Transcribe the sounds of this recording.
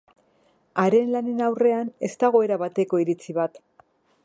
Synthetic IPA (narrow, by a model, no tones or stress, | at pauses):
aɾe̞nlane̞nawre̞ane̞st̪aɣ̞o̞e̞ɾaβat̪e̞ko̞iɾit͡siβat̪